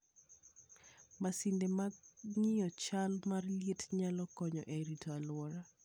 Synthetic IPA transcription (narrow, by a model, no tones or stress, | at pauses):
masindemaŋɪjɔt͡ʃalmarljetɲalɔkɔɲɔ̰ʔeɾitʰɔalwɔɾa